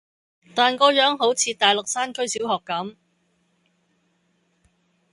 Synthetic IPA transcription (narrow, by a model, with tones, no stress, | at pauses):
t̪aː˨˩nkɔː˧jœː˨˥ŋɦo˨˥wt͡sʰiː˧t̪aː˨˩jlʊ˨k̚saː˥nkʰɵ˥ɥsiː˨˥wɦɔː˨˩kːɐ˨˥m